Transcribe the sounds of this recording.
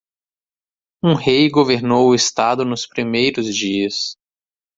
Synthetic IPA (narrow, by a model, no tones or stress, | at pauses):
ũhejɡoveɾnowʊɪst̪ad̪ʊnʊspɾimejɾʊzd͡ʒiɐs